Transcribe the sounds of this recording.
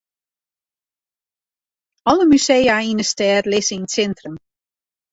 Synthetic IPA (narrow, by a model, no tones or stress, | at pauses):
ɔləmysejainəstɛːrlɪsəinsɛntrəm